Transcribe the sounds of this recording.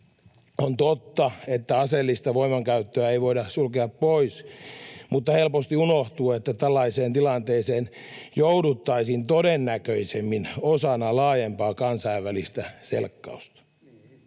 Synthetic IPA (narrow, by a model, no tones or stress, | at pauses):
ont̪ot̪ːɑet̪ːæɑselːist̪ɑʋoimɑŋkæyt̪ːøæeiʋo̞idɑsulkeɑppois | mut̪ːɑhelpost̪iunoht̪uːet̪ːæt̪ælːɑiseːnt̪ilɑnt̪eːseːnjowdut̪ːɑisint̪odenːækøisemːinosɑnɑlɑːjempɑːkɑnsɑiʋːælist̪æsḛlkːɑ̰ust̪ɑ̥